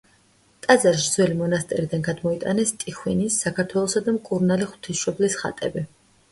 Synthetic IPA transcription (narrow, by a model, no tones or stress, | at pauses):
t̪ʼazaɾʃɾd̪zwɛlimɔnast̪ʼɛɾid̪anɡad̪mɔit̪ʼa̰nɛst̪ʼiχwinisːakʰaɾt̪ʰwɛlˠɔsad̪amkʼuɾnaliχw̥t̪ʰisʃɔblisχa̰t̪ʼɛ̰bi